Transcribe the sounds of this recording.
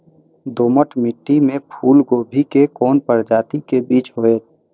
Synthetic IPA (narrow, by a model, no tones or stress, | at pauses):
d̪oːməʈʰmɪʈːimẽpʰuːlɡobʱikekɔːnpəɾd͡ʒaːt̪ikebiːt͡ʃɦoeːt̪̚